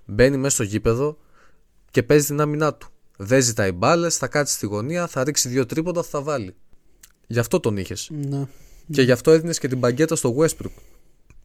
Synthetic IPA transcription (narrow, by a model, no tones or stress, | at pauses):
be̞nimest̪o̞ʝipe̞ðo̞ | ce̞pe̞zit̪inɐminɐt̪u̥ | ðe̞zit̪ɐibɐle̞sθɐkɐt̪i̥st̪iɣo̞niɐθɐɾiksiðʝo̞t̪ɾipo̞nd̪ɐθθɐvɐli | ʝɐft̪o̞t̪o̞nḭçe̞snce̞ʝɐft̪o̞e̞ðine̞sce̞t̪ibɐɲɟe̞t̪ɐst̪o̞ɣue̞spɾup